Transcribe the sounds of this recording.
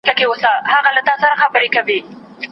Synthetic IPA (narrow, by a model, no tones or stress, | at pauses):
kakeosahaɣalat̪ɑsaɾaxabəɾekawi